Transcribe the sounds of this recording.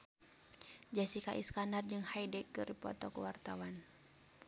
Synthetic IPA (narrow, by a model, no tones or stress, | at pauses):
d͡ʒasikaʔḭskanard͡ʒɨŋhaidɛkːɨripɔ̰t̪ɔkuwart̪awan